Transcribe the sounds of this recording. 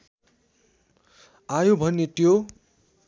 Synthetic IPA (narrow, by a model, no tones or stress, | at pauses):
ajobʱʌnːet̪jo